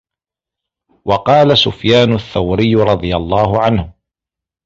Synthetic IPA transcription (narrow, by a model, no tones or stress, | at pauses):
wɑqɑːlasʊfjaːnʊθːawɾɪjːɾˤɑd̪ˤɨjalˤːɑːɦʊʕanhʊ